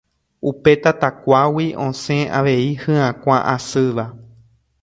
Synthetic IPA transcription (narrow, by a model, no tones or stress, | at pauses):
upe̞t̪at̪akʷawiʔõsẽaʋe̞ihɨ̃ãkʷãʔasɨʋa